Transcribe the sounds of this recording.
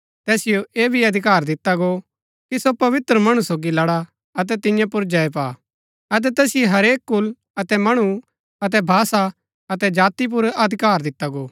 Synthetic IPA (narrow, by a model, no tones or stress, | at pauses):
t̪ɛːsɪjoʔeːbʱiɐd̪ʱɪkaːɾd̪ɪt̪ːaɡo | kisopɐʋɪt̪ɾəmɐɽ̃usoːɡilɐɽa | ɐt̪̬ɛt̪ɪ̃jãpʊɾd͡ʒɐep̬a̰ː | ɐt̪̬ɛt̪ɛːsɪjoɦɐɾeːkːʊl | ɐt̪ɛmɐɽ̃u | ɐt̪̬ɛbʱaːsa | ɐt̪ɛd͡ʒaːt̪ip̬ʊɾɐd̪ʱɪkaːɾd̪ɪt̪ːaɡoː